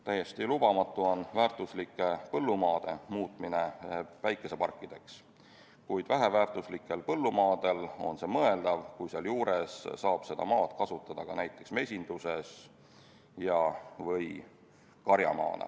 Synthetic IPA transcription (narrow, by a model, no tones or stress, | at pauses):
t̪æjːe̞st̪ilubɑmɑt̪ːˑuo̞nvæːrt̪ˑuslikːˑe̞pɤlːumɑːd̪̥e̞muːt̪ˑmine̞væjkːˑe̞se̞pɑrkːid̪̥e̞ks | kujd̪̥væɦe̞væːrt̪ˑuslikːˑe̞lpɤlːumɑːd̪̥e̞lo̞̰nse̞ːmɤ̞e̞ld̪̥ɑvkujseɑljuːɾe̞ssɑːb̥se̞d̪ɑ̰mɑːt̪kɑsut̪ːˑɑd̪̥ɑkɑnæjt̪ːˑe̞ksme̞sʲind̪̥use̞s | jɑvɤj | kɑɾjɑ̰mɑ̰ːnɑ̰